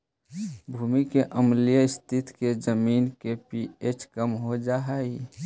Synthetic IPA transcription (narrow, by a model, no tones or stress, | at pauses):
bʱuːmikeʔəmlijəɪst̪ʰɪt̪ked͡ʒəmiːnkepiet͡ʃkəmɦod͡ʒaɦai